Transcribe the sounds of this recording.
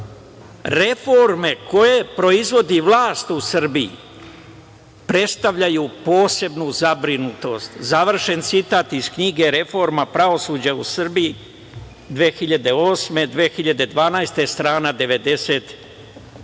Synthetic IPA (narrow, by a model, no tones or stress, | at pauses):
ɾe̞fo̞ɾme̞ko̞je̞pɾo̞izʋo̞d̪iʋlˠaːst̪usr̩biḭ | pɾe̞t̪st̪aʋʎajupo̞ːse̞bnuzabɾinut̪o̞st̪zaʋr̩ʃe̞nt̪sit̪aːt̪iz̥kɲiɡe̞ɾe̞fo̞ɾmapɾao̞suːd͡ʑausr̩biji | d̪ʋeːxiʎad̪e̞o̞ːsme̞d̪ʋeːxiʎad̪e̞d̪ʋaːnajst̪e̞st̪ɾaːnad̪e̞ʋe̞d̪e̞se̞ːt̪